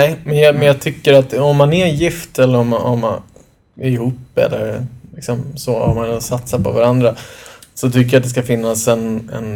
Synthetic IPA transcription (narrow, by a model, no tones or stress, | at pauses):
nɛːɪmɛnjɑmɛnjɑːɡt̪ʰʏkːəɾat̪ɔmːanæɾnjɪft̪ɛlːəɾɔmɔ̰mːan | ɪɾɪhuːpːɛ̰lːəɾlɪksɔmsoːɔ̰mːansat̪saɾpɔvaɾand̪ɾasɔt̪ʰʏkːəɾjat̪̚d̪ɛskafɪnːasɛnɛ̰n